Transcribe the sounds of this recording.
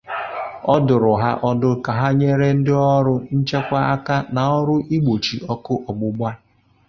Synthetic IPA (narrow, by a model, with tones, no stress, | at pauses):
ɔ˦dʊ˨ɾʊ˨ɦa̰˦ʔɔ˦dʊ˦ka˨ɦa˦ɲe˦ɾe˦n̩˦dɪ˦ɔ˦ɾʊ˦n̩˦t͡ʃe˦kʷa˦a˦ka˦na˨ɔ˦ɾʊ˦ʔi˦ɡ͡bo˨t͡ʃi˨ɔ˦kʊ˦ʔɔ˨ɡ͡bʊ˦ɡ͡bʷa˦